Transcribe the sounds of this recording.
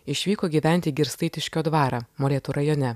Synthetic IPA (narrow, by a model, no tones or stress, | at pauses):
ɪʃʲʋʲiːkoːɡʲiːʋʲæˑnʲt̪ʲiːɡʲɪɾst̪ɐɪt̪ʲɪʃʲkʲoːd̪ʋɑːɾɐːmolʲeːt̪uɾɐjoːnʲɛ